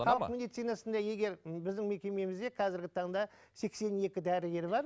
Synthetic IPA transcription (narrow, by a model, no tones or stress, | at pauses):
χɑlˠəmed̪ijt̪sijnɑsənd̪ɑje̞ɡʲe̞ɾbɪzd̪ɪŋme̞kʲe̞me̞mɪzd̪e̞qʰɑzɪɾɡʲɪt̪ʰɑɴd̪ɑ | se̞kse̞nje̞kʲɪd̪æɾɪɡʲe̞ɾbɑɾ